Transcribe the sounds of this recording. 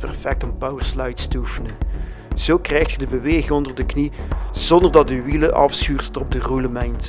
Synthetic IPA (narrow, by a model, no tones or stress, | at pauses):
pɛrfɛk̚tɔmpawərslɑjtstəufənə | z̥oːkrɛjxtxədəbəʋeːɣɪŋɔndərdəkniz̥ɔndərdɑt̚dəʋiləʔɑ̰fsxyːrtətɔb̚dəruləmɛjnt